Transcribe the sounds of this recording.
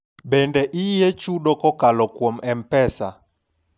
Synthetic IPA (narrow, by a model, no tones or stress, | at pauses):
bɛndɛʔijɛt͡ʃuɗɔkɔkalɔkwɔm̩ɛm̩pɛsa